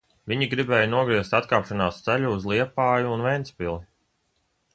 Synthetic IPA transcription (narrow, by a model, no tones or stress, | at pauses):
vʲiɲiɡɾibɛːjnuɔɡɾiɛst̪at̪kaːpʃanaːst̪sæʎʲuːzlˠiɛpaːjuːnvɛjnt̪spʲilˠi